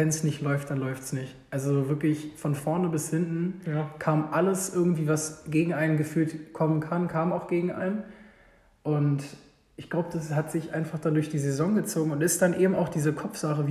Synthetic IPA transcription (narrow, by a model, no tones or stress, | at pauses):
vɛnsnɪçtlɔʏftd̥anlɔʏftsnɪçtʔalzovɪɐklɪçfɔnfɔɐnəbɪshɪntn̩kʰaːmʔaləsʔɪɐɡŋ̩tv̥iːvasɡ̥eːɡŋ̩ʔaɪnənɡəfyːltkʰɔmənkʰankʰaːmaʊxɡ̥eːɡŋ̩ʔa̰ɪnən | ʔʊnt | ʔɪçɡ̥laʊbəd̥ashatz̥ɪçʔaɪnfaχd̥andʊɐçd̥iːzezɔŋɡət͡soːɡŋ̩ʊntɪstd̥anʔeːbm̩aʊxd̥iːzəkʰɔfz̥aχəv